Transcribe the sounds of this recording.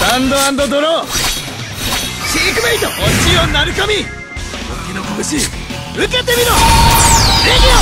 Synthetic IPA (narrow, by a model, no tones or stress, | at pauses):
ãnd̪oãnd̪od̪oɾo | ɕikɯmeit̪oʔõnt͡ɕionaɾɯkomʲi | ɡokʲinokoɡɯɕi | ɯket̪emʲino | ɾeɡʲio